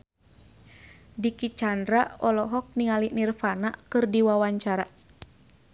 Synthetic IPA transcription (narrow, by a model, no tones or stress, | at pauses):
dikit͡ʃandɾaʔɔlɔɦɔk̚niŋalinirfanakɨrdiwawaɲt͡ʃaɾa